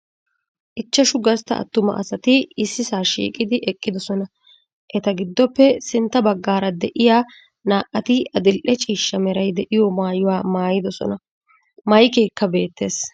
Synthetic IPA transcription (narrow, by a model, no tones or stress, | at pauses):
ʔɪt͡ʃːɐʃʊɡɐst̪ɐ̰ʔɐ̰t̪ːʊmɐ̰ʔɐ̰sɐt̪ɪɪsːɪsaːʃḭːkʼɪd̪ɪʔɛkʼːɪd̪ɔsɔnɐ | ʔɛt̪ɐɡɪd̪ːɔpːɛsɪnt̪ːɐbɐɡːaːɾɐd̪ɛʔɪjaː | naːʔɐt̪ɪɐd̪ɪlʔɛt͡ʃʼiːʃːɐmɛɾɐjd̪ɛʔɪjɔmaːjʊwaːmaːjɪd̪ɔsɔ̰nɐ | mɐjkeːkːɐbe̞ːt̪ːe̞ːs